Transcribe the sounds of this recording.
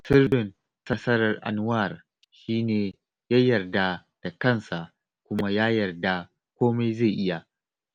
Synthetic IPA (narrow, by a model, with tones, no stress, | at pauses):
sɪ˦rɪ˨n | sɐ˦sɐ˦ɾɐ˨rʔa̰˨n˦wa˦˨r | ʃiː˦neː˨ | jaː˦jɐ˨rda˦ | d̥a˨kɐ˦˨nsa˨ʔ | kʷʊ˦ma˦jaː˦jɐ˨rda˦˨ | kʷoː˦ma˦jze˦˨ʔɪ˦ja˨ʔ